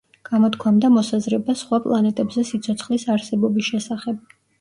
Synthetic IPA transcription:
ɡ̥amɔt̪kʰwamd̪amɔsazɾɛbasχwapʼlˠanɛt̪ʼɛbzɛsit̪sʰɔt̪sʰχlisaɾsɛbɔbisʃɛsaχɛb̚

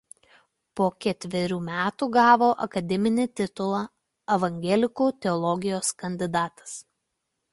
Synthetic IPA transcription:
poːkʲɛt̪ʲʋʲɛɾʲuːmʲæːt̪uːɡɑːʋoːʔɐ̰kɐd̪ʲɛmʲɪnʲɪt̪ʲɪt̪ʊlˠɑ | ɐʋɐŋʲɡʲɛlʲɪkuːt̪ʲɛɔlˠɔɡʲɪjoːskɐnʲd̪ʲɪd̪ɑːt̪ɐ̥s

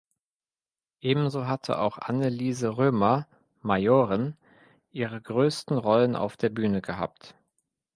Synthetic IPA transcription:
ʔeːbm̩zoːɦatʰə̰ʔa̰ʊxʔa̰nəliːzəʁøːmɐ | majoːʁɪn | ʔiːʁ̞əɡʁøːstn̩ʁɔlənʔa̰ʊfd̥eːɐbyːnəɡəɦa̰ːp̚t

